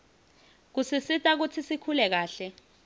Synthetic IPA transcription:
k̬usisitʼak̬ut͡sʰisikʰulɛk̬aːɬɛ

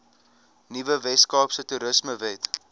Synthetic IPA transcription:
nivəvɛskɑːpsətuɾəsməvɛt

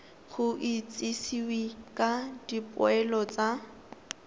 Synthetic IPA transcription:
ɣʊʔit͡sʼisiwikʼadipʼʊ̰ɛlɔt͡sʼa

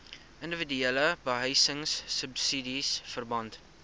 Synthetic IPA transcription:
ʔəndəvədyeləbəɦəjsəŋsːəpsidisfərbɐnt

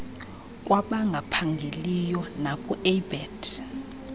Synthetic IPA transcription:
k̬ʼwaɓaŋɡʱapʰaŋɡʱelijɔnakʼuɛbɛd̥

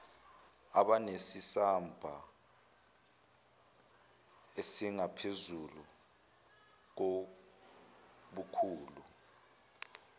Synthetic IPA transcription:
aɓanesisambʱa | esiŋapʰezulu | k̬o | ɓukʰuːlu

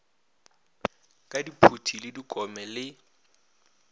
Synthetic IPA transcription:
kʼadipʰutʰilɪdikʼɔmɛlɪ

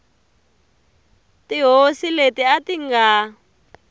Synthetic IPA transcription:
tiɦosiletiatiŋɡa

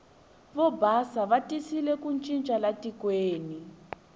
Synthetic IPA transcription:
βɔbʱasaβatisilɛkunt͡ʃʼint͡ʃʼalatikweːni

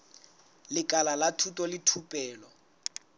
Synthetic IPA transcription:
lɪkʼalalatʰutʼɔlɪtʰupʼɛːlɔ

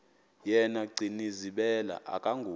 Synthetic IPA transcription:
jɛnaɡ͡ǀʱiniziɓɛla̰ʔa̰kʼaŋɡʱuː

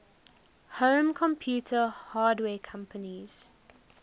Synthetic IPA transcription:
hõːmkʰɔ̃mpʰjuːtʰəhaːdwɛːkʰãmpʰəniz̥

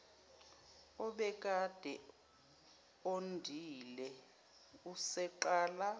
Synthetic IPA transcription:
ɔɓɛk̬ʼad̥ʱɛ | ondʱilɛ | usɛǃaːla

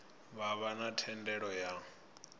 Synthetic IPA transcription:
βaβanatʰɛndɛɺɔja

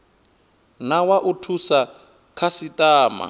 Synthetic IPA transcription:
nawaʔutʰusa | kʰasitʼaːma̰

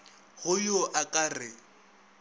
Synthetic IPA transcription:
ɣʊjʊʔakʼarɪ

